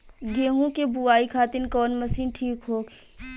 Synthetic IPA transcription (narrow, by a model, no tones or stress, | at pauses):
ɡeːɦõkebuaːikʰaːt̪ɪnkɔːnmɐsiːnʈʰiːkɦoːɡ